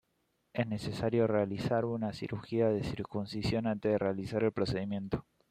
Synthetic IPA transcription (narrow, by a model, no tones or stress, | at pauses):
esne̞se̞saɾjo̞realisaɾunasḭɾʔuxiaðe̞siɾkunsisjo̞nant̪eðerealisaɾe̞lpɾo̞se̞ðimjẽ̞nt̪o̞̥